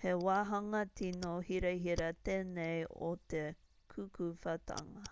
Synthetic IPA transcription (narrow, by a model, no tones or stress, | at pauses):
hewaːɦɐŋɐtinohiɾɐɦiɾɐt̪eːnejo̰t̪e | kʰukʰufɐtʰɐ̰ŋɐ